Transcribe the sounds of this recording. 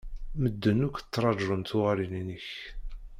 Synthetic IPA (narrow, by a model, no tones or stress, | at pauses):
məd̪ːənukʷt͡s̪ːɾˤɑd͡ʒɾənt̪ʊʁaɾininəç